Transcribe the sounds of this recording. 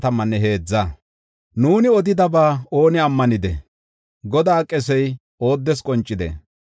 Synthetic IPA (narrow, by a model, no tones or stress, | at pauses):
t̪ɐmːɐnːɛɦe̞ːd͡zːɐ | nuːnɪɔd̪ɪd̪ɐbaːo̞ːnɪɐmːɐnɪd̪ɛ̰ | ɡɔd̪aːkʼːɛsɛj | o̞ːd̪ːɛskʼɔnt͡ʃʼːɪd̪ɛ̰